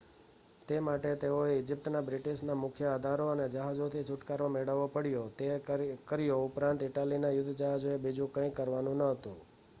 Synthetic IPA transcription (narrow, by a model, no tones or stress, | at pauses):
t̪emaʈet̪eoeɪd͡ʒip̚t̪nabɾɪʈiʃnamʊkʰjəad̪ʱaɾoəned͡ʒəɦad͡ʒot̪ʰit͡ʃʰʊʈkaɾʋameɽəʋopəɽijot̪ekəɾjoʊpɾãnt̪ɪʈalinajʊd̪ʱːd͡ʒəɦad͡ʒoebid͡ʒũkə̃ĩkəɾʋanũnəɦət̪ṵ̃